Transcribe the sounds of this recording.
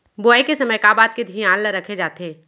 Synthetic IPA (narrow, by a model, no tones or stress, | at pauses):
boajkesɐməjkaːbaːd̪̚ked̪ʱiãːlːəɾɐkʰed͡ʒaːt̪eː